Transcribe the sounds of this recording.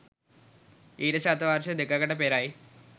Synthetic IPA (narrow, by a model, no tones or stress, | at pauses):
iːɾɐɕaːt̪ɐʋaːɾɕɐd̪ekːɐkɐʈːɐpeːɾaːji